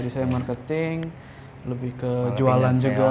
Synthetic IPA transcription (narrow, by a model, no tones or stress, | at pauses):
disajamarkət̪ɪŋ | ləbɪhkəd͡ʒualand͡ʒuɡa